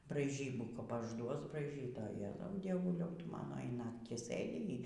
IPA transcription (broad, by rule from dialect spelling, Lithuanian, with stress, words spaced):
brɐɪˈʒʲiːbuː kɐp ɐʒˈduɔs brɐɪˈʒʲiːt oː jɛ dʲiɛˈʋʊlʲɛʊ dʲiɛˈʋʊlʲɛʊ ˈtʊ ˈmɑːnoː iː ˈnɑːktʲiː ˈsɘdʲɪ iː